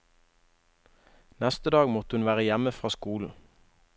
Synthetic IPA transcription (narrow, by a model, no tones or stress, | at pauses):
nɛst̪əd̪ɑːɡmɔt̪hʉnʋæːʁəjæməfʁɑːskuːln̩